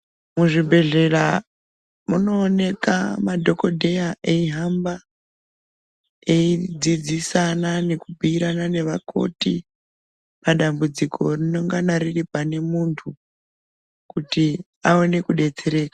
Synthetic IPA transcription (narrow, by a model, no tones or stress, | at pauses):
muʐibʱe̞ɮe̞ra | muno̞ːne̞kamadʱo̞ko̞dʱejaʔeiɦamba | e̞id͡zid͡zisanane̞kubʱiiɾanane̞ʋakʰo̞̰tḭ | paɗambud͡zikʰo̞rino̞ŋɡanariripane̞muntʰu | kuti | ao̞ne̞kuɗe̞d͡ze̞ɾe̞ːkḁ